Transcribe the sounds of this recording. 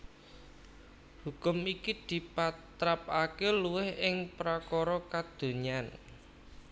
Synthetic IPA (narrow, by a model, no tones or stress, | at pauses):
hukʊmikid̪̥i̤pat̪ɾapakeluwɪhɪŋpɾakɔɾɔkad̪̥o̤ɲan